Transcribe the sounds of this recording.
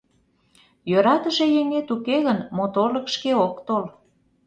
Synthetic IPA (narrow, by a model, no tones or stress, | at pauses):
jøɾɑt̪əʃejeŋet̪ukeɣənmot̪olə̆kʃkeokt̪ol